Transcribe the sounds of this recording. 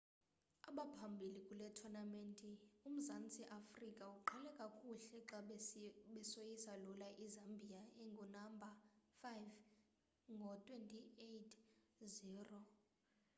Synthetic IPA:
aɓapʰambʱilikʼulɛtʰɔnamentʼium̩zant͡sʼiʔafrikʼauǃʰɛlɛkʼakʼuɬɛǁaɓɛsojisalulaʔizambʱijaeŋɡʱunambʱafajv | ŋɡʱɔtʼwentʼiejtʰziːrɔ

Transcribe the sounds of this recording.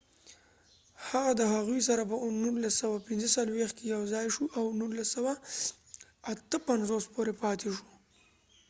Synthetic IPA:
haɣad̪əɦaɣujs̬aɾapənulasːawapɪnzəsalwext̪kejawzɑjʃuʔawnulːasawa | t̪əpanzospoɾepɑt̪ʰeʃu̥

